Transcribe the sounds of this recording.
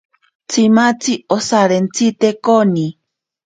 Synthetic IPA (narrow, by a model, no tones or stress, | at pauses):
t͡sʰimat͡siosaɾent͡sit̪ekoni